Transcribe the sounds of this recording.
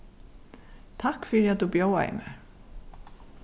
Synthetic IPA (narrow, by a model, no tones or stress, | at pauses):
t̪ʰakfɪɾiat̪ðubjowa̰ɪ̰mɛ